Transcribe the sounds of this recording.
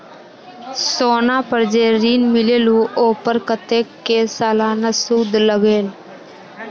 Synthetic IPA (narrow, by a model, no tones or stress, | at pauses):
soːnãːpəɾd͡ʒeːɾiːnmɪleːlũːʔoːpəɾkət̪eːkːeːsaːlãːnəsuːd̪ləɡeːl